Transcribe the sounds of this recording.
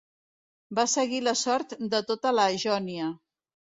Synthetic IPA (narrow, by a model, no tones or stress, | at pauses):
basəɣiləsɔɾt̪d̪ət̪ot̪ələːʒɔniə